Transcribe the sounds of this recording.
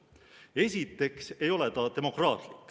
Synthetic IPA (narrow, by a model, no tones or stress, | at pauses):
e̞s̬ʲit̪ːˑe̞kse̞jo̞le̞t̪ɑt̪e̞mo̞krɑːt̪likː